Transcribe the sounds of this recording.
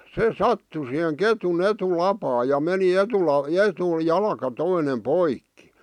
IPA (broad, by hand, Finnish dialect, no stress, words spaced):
se sɑtːu siheŋ ketun etulɑpɑː jɑ meni etulɑ etu jɑlkɑ toine poikːi